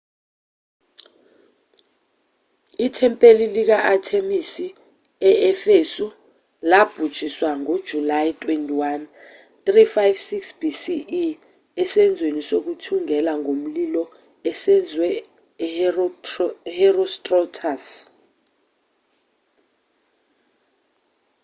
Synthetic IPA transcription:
itʰɛmpʼelilik̬aʔatʰemisi | ɛɛfesu | lab̥ʱud̥ʒ̥ʱiswaŋod̥ʒ̥ʱulajtʼwentʼiwan | t̪ʼrifajvsiksb̥ʱisi | ɛsɛnd͡zʱwenisok̬utʰuŋɛlaŋom̩lilɔ | ɛsɛnd͡zʱwɛ | hɛrɔstʼrɔtʰas

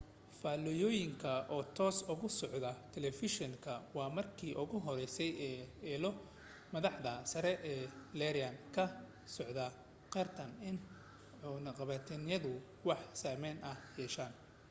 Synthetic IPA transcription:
faːlɔjɔːjɪŋkʰɐʔɔːt̪ʰɔːsʊɣʊsɔʕðɐt̪ʰɛlɛfɪʃɔŋkʰɐwɑːmɐrkʰiːʔʊɣʊɦɔɾɛjsɛjɛːɛːlɔ | mɐðɑħðɐsɐɾɛʔɛːlɛɾɪɐnkʰɐ | sɔʕðɐ | qɛrt̪ʰɐnɪn | ʕʊnɐqɑβɐt̪ʰɪnjɐðʊ | wɑħsaːmɛnɐhjɛːʃaːn

